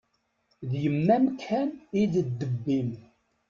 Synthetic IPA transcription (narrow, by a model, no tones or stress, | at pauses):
ðjəmːæmkʰæniðəd̪ːəbːim